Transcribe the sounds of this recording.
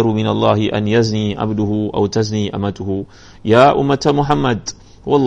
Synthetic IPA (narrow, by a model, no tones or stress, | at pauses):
ɾumɪnalˤːɑːhɪʔa̰njazniːʕa̰bd̪ʊhʊʔa̰wt̪azniːʔa̰mat̪ʊhʊ | jaːʔʊ̰mːat̪amʊħamːad̪ | wɑlˤː